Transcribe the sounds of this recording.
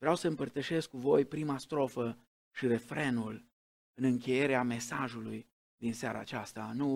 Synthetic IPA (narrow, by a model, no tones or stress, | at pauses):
vɾeawsəɨmpərt̪əʃe̞skːuvo̞jpɾimast̪ɾo̞fə | ʃiɾe̞fɾe̞nul | ɨnɨŋkʲe̞je̞ɾeame̞saʒuluj | d̪inseaɾa̰ːt͡ʃast̪anu